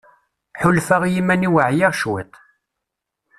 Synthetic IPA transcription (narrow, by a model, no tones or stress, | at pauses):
ħʊlfæʁjimæniwəʕjɪʁʃwæ̰t̪ˤ